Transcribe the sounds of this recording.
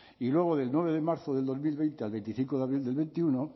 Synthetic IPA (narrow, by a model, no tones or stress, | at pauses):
ilwe̞ɣ̞oðe̞lnwe̞β̞e̞ðemaɾθoðeld̪o̞zmilβejnt̪ealβent̪iθiŋkoðaβɾild̪e̞lβẽ̞nt̪iuno